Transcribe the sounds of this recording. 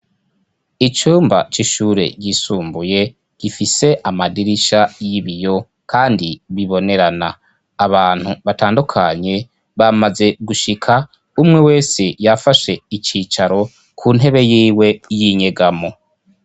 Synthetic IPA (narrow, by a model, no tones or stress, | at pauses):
it͡ʃuːmba̰t͡ʃiʃuːɾe̞̰ɟisuːmbuje̞ | ɡ̥ifise̞ʔamadiɾiʃajiβijo̞ | kʰaːndiβiβo̞ne̞ɾanaː | βaːn̥huβataːndukʰaɲe̞ | βamaze̞ɡuʃikʰa | umŋewe̞ːse̞jafaʃe̞it͡ʃiːt͡ʃaɾo̞ | kʰuːnɦe̞βe̞jiːwe̞jiɲe̞ɡamo